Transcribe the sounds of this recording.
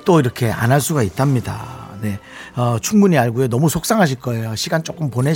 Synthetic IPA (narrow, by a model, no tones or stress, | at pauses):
t͈oiɾʌkʰe̞a̰nɦaɭs͈uɡaitʰamɲida̰ne̞ʌt͡ɕʰuŋbuɲiaɭɡuenʌmusʰok̚s͈aŋɦaɕ̬ʰiɭk͈ʌe̞joɕʰiɡant͡ɕ͈ok͈ɯmpone̞